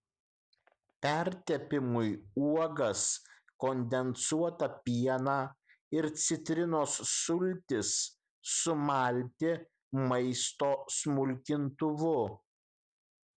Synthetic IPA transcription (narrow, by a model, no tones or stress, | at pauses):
pʲɛɾʲt̪ʲɛpʲɪmʊjuɔɡɐs | kɔnʲd̪ʲɛnsuɔt̪ɐpʲiɛnɑː | ɪɾt̪sʲɪt̪ʲɾʲɪnoːsːʊlʲt̪ʲɪsː | ʊmɐlʲt̪ʲɪ | mɐɪst̪oːsmʊlʲkʲɪnt̪ʊʋʊ